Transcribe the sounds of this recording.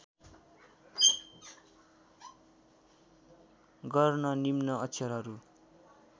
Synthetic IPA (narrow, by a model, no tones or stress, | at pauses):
ɡʌrnʌnimnʌʌtsʰʌɾɦʌɾu